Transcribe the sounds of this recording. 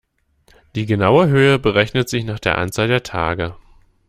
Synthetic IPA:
d̥iːɡənaʊəɦøːəbəʁɛçnətz̥ɪçnaːχd̥eːɐʔa̰nt͡saːldeːɐtʰa̰ːɡə

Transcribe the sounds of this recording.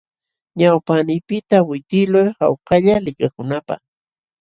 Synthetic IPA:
ɲawpanɪpɪt̪awɪt̪ɪlojha̰wkaʎalɪkakʊnapa̰χ

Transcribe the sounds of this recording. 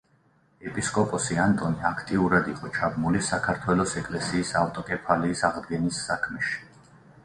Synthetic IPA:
ɛpʼiskʼɔpʼɔsiant̪ʼɔniakʰt̪ʼiuɾad̪iqʼɔt͡ʃʰabmulisakʰaɾt̪ʰwɛlɔsɛkʼlɛsiːsaft̪ʼɔkʼɛpʰaliːsaʁd̪ɡɛnisːakʰmɛʃi̥

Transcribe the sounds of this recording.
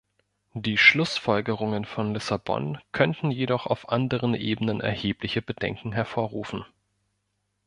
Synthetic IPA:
d̥iːʃlʊsfɔlɡəʁ̞ʊŋənfɔnlɪsabɔ̰nkʰœntn̩jedɔχa̰ʊfʔandəʁ̞ənʔeːbənənʔɛ̰ɐheːplɪçəbədɛ̰ŋkŋ̩ɦɛɐfoːɐʁuːfn̩

